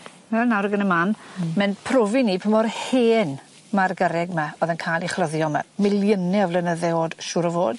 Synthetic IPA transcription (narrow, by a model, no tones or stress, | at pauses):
ɛnawɾəɡənəmanmɛnpʰrovinipʰəmɔrheːn | marɡəɾɛɡmaoːðɛnkʰajlˠiχləðjɔma̰mɪlˠjənɛɔvlɛnəðɛoːd̥ʃuːɾəvoːd̥